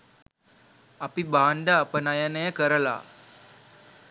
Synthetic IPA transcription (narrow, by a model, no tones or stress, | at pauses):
apibaːɳɖəːpənajənəjəkəɾəla̰